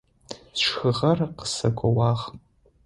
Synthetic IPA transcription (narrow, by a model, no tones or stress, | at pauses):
sʃxɨʁɐrqə̥sɐkʷʼɔwaːʁ